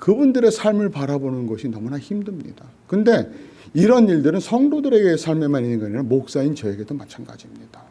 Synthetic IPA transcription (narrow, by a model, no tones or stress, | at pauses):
kɯbundɯɾe̞sʰaɭmɯɭpaɾabonɯnɡʌɕʰinʌmunaçimdɯmɲḭd̥a | kɯnde̞ | iɾʌniɭdɯɾɯnsʰʌŋdodɯɾe̞ɡe̞sʰaɭmemaninɯnɡaɲaamok̚s͈aint͡ɕʌe̞ɡe̞domat͡ɕʰanɡa̰d͡ʑimɲid̥a